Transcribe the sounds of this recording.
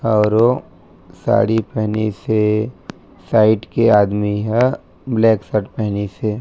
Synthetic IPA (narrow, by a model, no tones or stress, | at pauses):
ɔːɾo | sa̰ːɽipɛɦnise | saːɪʈkeaːd̪miɦɛ | blɛːksəʈpɛɦnise